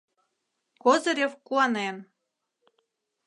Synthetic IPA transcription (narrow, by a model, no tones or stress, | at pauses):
kozə̆ɾʲefkuɑnen